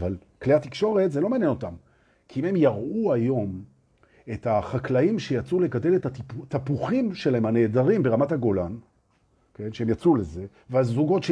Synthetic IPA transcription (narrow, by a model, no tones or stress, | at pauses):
val | kleat̪ikʃo̞ʁe̞tzelo̞maːnjeno̞tam | kʰiime̞mjaʁuajo̞m | ethaχaklaimʃe̞jat͡suleɡade̞letat̪apuχimʃelahemhane̞ːdaʁimbe̞ʁamathaɡo̞lan | ke̞nʃeemjat͡suleze̞ | veazuɡo̞tʃ